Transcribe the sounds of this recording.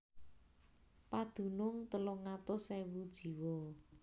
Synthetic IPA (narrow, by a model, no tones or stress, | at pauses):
pad̪̥ṳnʊŋt̪əlʊŋat̪ʊsɛwud̥ʒ̥i̤wɔ